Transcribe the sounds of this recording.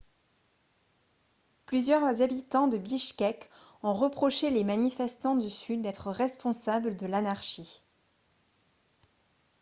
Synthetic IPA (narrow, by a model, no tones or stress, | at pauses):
plyzjœʁzabit̪ɑ̃d̪əbiʃkɛk | ɔ̃ʁəpχɔʃelemanifɛst̪ɑ̃d̪ysyd̪ːɛt̪χəʁɛspɔ̃sabləd̪əlanaʁʃi